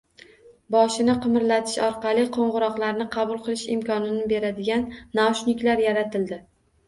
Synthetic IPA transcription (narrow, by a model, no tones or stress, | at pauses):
bɒʃɪnɪqʰɨmɾlat̪ʰɪ̥ʃɒɾqɑlˠɪqʰoɴʁɨɾɒqlˠaɾnɪqʰɑbʊlˠqʰɨlˠɪʃɪ̰mkʰɒnɪnɪbe̞ɾad̪ɪɡʲanːaʃnɪkʲlaɾjaɾat̪ʰɪld̪ɪ